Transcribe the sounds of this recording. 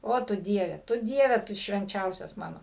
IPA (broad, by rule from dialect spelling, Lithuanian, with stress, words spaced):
ˈoː tʊ ˈdʲiɛʋʲɛ tʊ ˈdʲiɛʋʲɛ tʊ ʃʲʋʲɛnʲˈt͡ʃʲɛʊsʲɛs ˈmɑːnoː